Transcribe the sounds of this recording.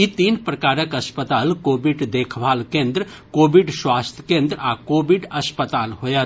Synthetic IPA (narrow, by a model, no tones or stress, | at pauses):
it̪iːnpɾəkaːɾəkəspət̪aːlkobiɖd̪ekʰbʱaːlkẽnd̪ɾə | kobiɖswast̪ʰjə̥kẽnd̪ɾakobiɖəspət̪aːlɦojət̪